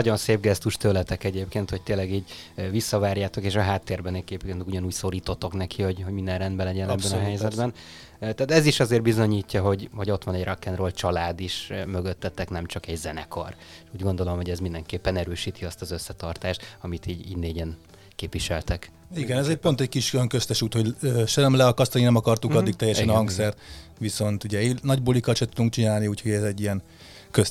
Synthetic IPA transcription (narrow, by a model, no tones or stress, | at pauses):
ɒɟo̞nseːbɡɛst̪uʃt̪øːlɛt̪ɛkɛɟeːpkeːnt̪ho̞c̚t̪eːlɛɡiːɟvisːɒvaːrjaːt̪o̞keːʃɒɦaːt̪ːeːrbɛnɛkeːpenuɟɒnuːcso̞ɾiːt̪o̞t̪ːo̞knɛkʰiho̞ɟɦoɟmind̪ɛnrɛnd̪bɛlɛɟɛnɛbbɛnɒɦɛjzɛd̪bɛn | t̪aːt̪ɛziʃɒzeːrbizo̞ɲiːcːɒɦo̞ɟho̞ɟo̞t̪ʋɒnɛɟrʔɒkːɛnroːlt͡ʃɒlaːd̪iʃmøɡøt̪ːɛt̪ːɛknɛmt͡ʃɒkɛɟzɛnɛ̰ko̰r | ʃuːɟɡo̞nd̪o̞lo̞mho̞ɟɛzmind̪ɛŋkeːpːɛnɛɾøːʃiːt̪ʰiɒst̪ɒzøsːɛt̪ɒrt̪aːʃt̪ɒmit̪iːɟḭneːɟɛn | keːpʋiʃɛlt̪ɛk | iɡɛnɛzɛc̚po̞nt̪ɛckiʃjojɒŋkø̞st̪ɛʃuːt̪ho̞ɟøːʃɛlɛmlɛɒkɒst̪ɒninɛmɒkɒrt̪ukɒd̪ːik̚t̪ɛjːɛʃɛnhɒŋksɛrt̪ʋiso̞nt̪uɟɛinɒɟbolikɒlʃɛt̪ud̪uŋk̚t͡ʃinaːlniuːcʰho̞ɟɛzɛɟːijɛn | køs